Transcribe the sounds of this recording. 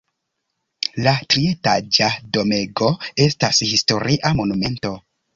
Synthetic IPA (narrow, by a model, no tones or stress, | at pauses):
latɾietad͡ʒado̞meɡo̞e̞stashisto̞ɾiʔamo̞nume̞nto̞